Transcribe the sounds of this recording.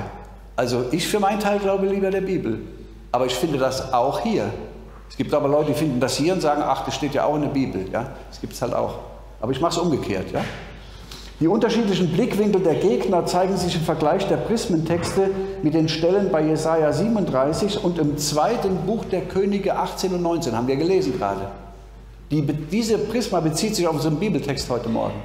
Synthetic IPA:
ʔalzoʔɪçfyːɐmaɪntʰaɪlɡlaʊbəliːbɐdeːɐbiːbl̩ | ʔaːbɐɪçfɪndədasʔaʊxhiːɐ | ɛsɡ̥iːp̚taːbɐlɔʏtəd̥ifɪndn̩dashiːɐʊntz̥aːɡŋ̩ʔa̰χd̥asʃteːtja̰ːʔaʊxɪndeɐbiːbl̩ja̰ːd̥asɡ̥iːp̚tshalta̰ʊx | ʔa̰ːbɐɪçmaχəsʔʊmɡəkʰḛːɐtʰja̰ː | d̥iːʔʊntɐʃiːtlɪçn̩blɪkv̥ɪŋkl̩deːɐɡeːɡnɐt͡saɪɡŋ̩zɪçɪmfɛɐɡlaɪçd̥eːɐpʁ̥ɪsməntʰɛkstəmɪt̚d̥eːnʃtɛlənbaɪjezaɪaziːbm̩ʊntdʁaɪsɪçʊntɪmt͡sv̥aɪtənbuːxd̥eːɐkʰøːnɪɡəʔaχt͡seːnʊntnɔʏnt͡seːnhaːmnviɐɐɡəleːzn̩ɡəʁa̰ːdə | d̥iːd̥iːzəpʁ̥ɪsmabət͡siːtz̥ɪçaʊfʊnzʁənbiːbl̩tʰɛksthɔʏtəmɔ̰ɐɡŋ̩

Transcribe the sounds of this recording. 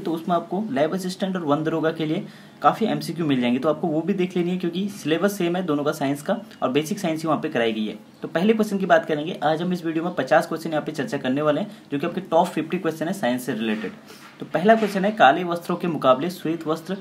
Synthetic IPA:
t̪oʊsmẽaːp̚kolaːɪbəs̬ɪsʈə̃ɳʈɔːɾʋɐ̃nd̪ɾoːɡakelie | kaːfiɛ̰̃ːmsik̬jumɪld͡ʒaːẽŋɡit̪oaːp̚koʋobʱid̪eːkʰleːnĩɦɛ̃kjõːkisɪleːbəɾseːmɦɛ̃d̪oːnõkasaːɪ̃nskaɔːɾbeːsɪksaːɪnsiʋɐɦãpekɐɾaːiɡɐiɦɛ̰ː | t̪oːpɛɦlek̬wɛst͡ʃənk̬ibaːt̪kɐɾẽːŋɡeʔaːd͡ʒɦɐmɪsʋiːɖijomẽpɐt͡ʃaːskwɛst͡ʃənjɐɦãpet͡ʃɐɾt͡ʃakɐɾneʋaːleɦɛ̃d͡ʒoːkiaːpkeʈɔːpfɪfʈikwɛsʈjənɦɛ̃saːɪ̃nsːẽɾɪleːʈɪ̰ɖ | t̪opɛɦlakwɛsʈjənɦɛkaːleʋɐst̪ɾõkemʊkaːbleseːt̪ʋɐst̪ɾ

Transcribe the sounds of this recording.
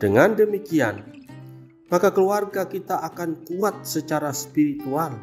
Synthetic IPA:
d̥əŋandəmikian | makakəluarɡakit̪aʔakankuat̪̚sət͡ʃaɾaspiɾit̪ual

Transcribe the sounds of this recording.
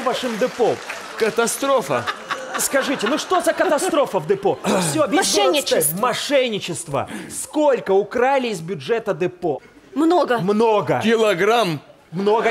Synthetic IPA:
vaʂɨmd̪ɨpom | kət̪ɐst̪ɾofə̰skɐʐɨtʲɪnuʂt̪o̞zɐkət̪ɐst̪ɾo̞fəvd̪ɨpofsʲoɐbʲɪʂnʲːɪmɐʂɛnʲːɪt͡ɕɪst̪və̰sko̞lʲkəʊkɾalʲɪɪzbʲʊʐɛt̪əd̪ɨpo | mnoɡəmno̞ɡəkʲɪlˠɐɡɾam | mnoɡə

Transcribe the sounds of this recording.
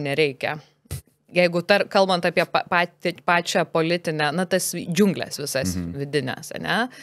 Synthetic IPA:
nʲɛɾʲɛɪkʲɛ̰ | jɛɪɡʊt̪ɐrkɐlˠbɐnt̪ɑːpʲiɛpɑpɑːt̪ʲpɑːt͡ʃʲæːpoːlʲɪt̪ʲɪnʲænɐt̪ɐsd͡ʒʲʊŋɡlʲɛ̰sʋʲɪsɐsʋʲɪd̪ʲɪnʲɛ̰sɐ̰nʲɛ

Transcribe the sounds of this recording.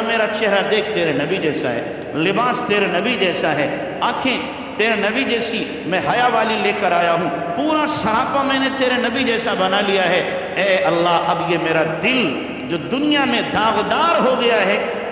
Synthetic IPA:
meːɾat͡ʃɛɦɾad̪eːk̚ʰt̪eːɾenɐbid͡ʒɛːsa̰ɦɛ̰ː | lɪbaːst̪eːɾenɐbid͡ʒɛːsaɦɛː | aːkʰẽ | t̪eːɾenɐbid͡ʒɛːsi | mɛ̃ɦɐjaʋaːlileːkəɾaːjaɦũpuːɾaʃɐɾaːpãmɛ̃ːnet̪eːɾenɐbid͡ʒɛːsabɐnalijaɦɛ | ɛːɐlːaɦʔɐbjemeːɾad̪ɪl | d͡ʒoːd̪ʊnɪjamẽd̪ʱãːɣd̪aːɾɦoɡɐjaɦɛː

